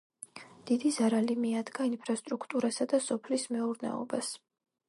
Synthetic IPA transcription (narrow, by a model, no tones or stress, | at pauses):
d̪̥id̪izaɾalimiad̪ɡainpʰɾast̪ʼɾukʰt̪ʼuɾasad̪asɔpʰlismɛuɾnɛ̰ɔ̰bas